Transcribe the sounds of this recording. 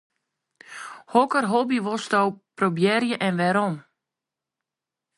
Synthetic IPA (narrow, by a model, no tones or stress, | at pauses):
hɔkərɦobiʋɔstɔwprobjɛrjəʔɛnʋɛɾɔm